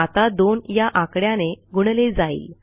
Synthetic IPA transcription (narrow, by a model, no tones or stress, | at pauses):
at̪ad̪onjaʔakɽjaneɡuɽled͡zaḭːl